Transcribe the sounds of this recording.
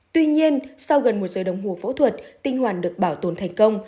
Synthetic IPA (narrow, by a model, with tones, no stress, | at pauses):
t̪wi˧ɲi˧ənsa˧wɣə˨˩nmo˨˩t̚zəː˨˩ɗə˨˩wŋ͡mɦu˨˩fo̰˧˥t̪ʰwə˨˩t̚t̪ï˧ŋ̟hwaː˧˩nɗɨ˨˩ək̚ɓaː˧˩wt̪o˨˩nt̪ʰɛ˨˩jŋ̟kə˧wŋ͡m